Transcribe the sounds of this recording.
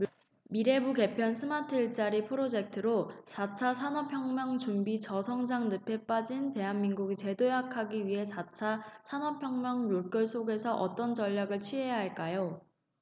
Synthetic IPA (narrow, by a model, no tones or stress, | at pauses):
miɾe̞buke̞pʰjʌnsʰɯmatʰɯɭt͡ɕ͈aɾipʰɯɾod͡ʑe̞k̚tʰɯɾosʰat͡ɕʰasʰanʌpʰjʌŋmjʌŋt͡ɕumbit͡ɕʌsʰʌŋd͡ʑaŋnɯpʰe̞p͈ad͡ʑinte̞ɦanminɡuɡit͡ɕe̞dojakʰaɡiɥiɦe̞sʰat͡ɕʰasʰanʌpʰjʌŋmjʌŋjoɭk͈jʌɭs͈ʰoɡe̞sʰʌʔʌt͈ʌnt͡ɕʌʎːaɡɯɭt͡ɕʰɥiɦejaɦaɭk͈ajo